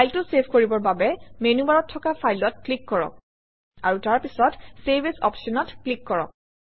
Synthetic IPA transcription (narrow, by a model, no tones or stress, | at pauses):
pajltʊsebʱkoɹibɔɹbabɛmenubaɹɔtʰːɔkapʰajlɔtklikːɔɹɔ̰k̚ | a̰ɹutaɹpisɔtsebesɔ̰psɔnɔtklikːɔɹɔ̰k̚